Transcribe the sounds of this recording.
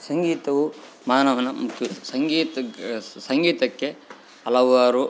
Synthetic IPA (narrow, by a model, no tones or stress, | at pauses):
sɐŋɡiːt̪ɐʋu | maːnɐʋɐnɐmukʰjɐsɐŋɡiːt̪sɐŋɡiːt̪ɐkːe | ɐlɐʋaːɾu